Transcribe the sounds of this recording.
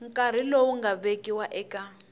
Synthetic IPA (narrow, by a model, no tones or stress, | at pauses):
ŋkʼaɾ̤ilowuŋɡaβekiwaʔɛːka